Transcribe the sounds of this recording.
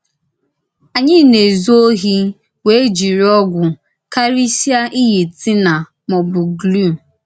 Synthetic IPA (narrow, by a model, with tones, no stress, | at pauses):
a˨ɲɪ˦˨ne˨zo˦ɦi˦ | we˨˦e˦d͡ʒi˨ɾi˦ɔ˦ɡʷʊ˨ | ka˦ɾi˦sja˦ʔi˦ji˨ti˦na˨ | mɔ˨bʊ˨ɡlu˦˨